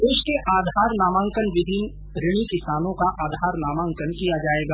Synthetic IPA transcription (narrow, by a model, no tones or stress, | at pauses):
d̪eːʃkeʔaːd̪ʱaːɾnaːmãːŋkənʋɪb̪ʱɪn | ɾɪɽ̃ikɪsaːnõkaʔaːd̪ʱaːɾnaːmãːŋkənkijad͡ʒaːeːɡaː